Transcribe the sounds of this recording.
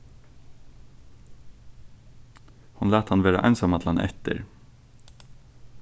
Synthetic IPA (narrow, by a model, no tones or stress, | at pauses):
hʊnlæːt̪hɑnʋeːɾɑ̰ʔæ̰ɪnsɔmɑt̪ʰl̩hɑnʔɛ̰t̪ə̰ɾ